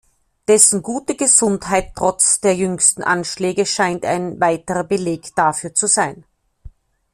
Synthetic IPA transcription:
d̥ɛsn̩ɡuːtəɡəz̥ʊnthaɪtʰːʁ̥ɔt͡sd̥eːɐjʏŋstn̩ʔa̰nʃlɛːɡəʃaɪnta̰ɪnvaɪtəʁɐbəleːkd̥afyːɐt͡suzaɪn

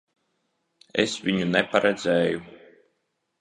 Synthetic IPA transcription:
ɛ̰sviɲunɛpaɾɛd̪zɛːju

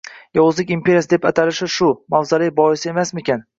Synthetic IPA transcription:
jɒʊzlɪkʲimpʰʲe̞ɾʲjasɪd̪epat̪ʰalɪʃɪʃʊmawzalɪjbɒɪsɪe̞masmekʲʰan

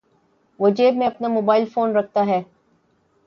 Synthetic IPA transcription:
ʋɐd͡ʒeːbmẽɐpnamoːbaːɪlfoːnɾɐk̚ʰt̪aɦɛː

